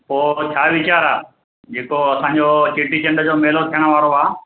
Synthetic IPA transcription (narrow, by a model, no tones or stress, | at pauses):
poːt͡ɕʰaːʋɪt͡ɕaːɾaː | d͡ʑeːkoɐsãːɲ̆d͡ʑoːsiʈit͡ɕɐ̃ɳɖd͡ʑoːmeːlot̪ʰijəɽ̃əʋaːɾoaː